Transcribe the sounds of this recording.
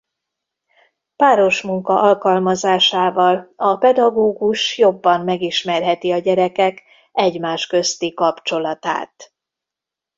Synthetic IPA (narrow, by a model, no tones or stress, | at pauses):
paːɾo̞ʃmuŋkɒʔɒlkɒlmɒzaːʃaːvɒlɒpɛd̪ɒɡoːɡuʃjo̞bːɒmːɛɡiʃmɛrɦɛt̪iɒɟɛɾɛkɛk | ɛɟmaːʃkø̞st̪ikɒpt͡ʃo̞lɒt̪a̰ːt̪